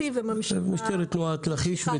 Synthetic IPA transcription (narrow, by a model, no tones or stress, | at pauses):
ivemammuʃt̪eɾet̪loat̪laχiʃve